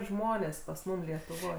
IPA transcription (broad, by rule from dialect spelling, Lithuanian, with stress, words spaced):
ˈʒmoːnʲeːs pɐs ˈmʊm lʲiɛtʊˈʋoːj